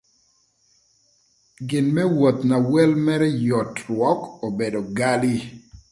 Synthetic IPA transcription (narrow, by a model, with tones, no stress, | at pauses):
ɡɪ˨nmɛ˦wo˨t̪na˨wɛ˦lmɛ˦ɾɛ˦jɔ˨tɾwɔ˨˦ko˨be˨do˨ɡa˦li˦